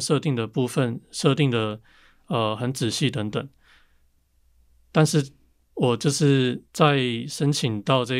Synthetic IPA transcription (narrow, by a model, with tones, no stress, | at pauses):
nʂɤ˥˧t̪i˥˩ŋd̪ə˩pu˥˧fə˥˨nʂɤ˥˧t̪i˥˩ŋd̪ə˩ | ə˩xə˧˦nt͡sɻ̩˨˩ɕi˥˩t̪ə˧˦˥ŋt̪ə˨˩ŋ | t̪a˥˧nʂɻ̩˥˧ | wɔ˨˩t͡ɕjo˥˧ʊʂɻ̩˥˩t͡sa˥˧ɪʂə˥nt͡ɕʰi˨˩ŋt̪ɑ˥˧ʊʈ͡ʂə˥˧